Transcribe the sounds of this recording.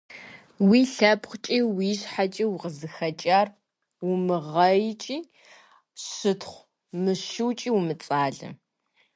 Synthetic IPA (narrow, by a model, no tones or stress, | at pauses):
wiːɬɐpχʷt͡ʃʼiːwiːɕħat͡ʃʼiːwʁəzɨxɐt͡ʃʼaːr | wʊmɨʁɐjt͡ʃʼiː | ɕɨtʰχʷ | mɨʃɪwt͡ʃʼiːwumɨt͡sʼaːɮɐ̰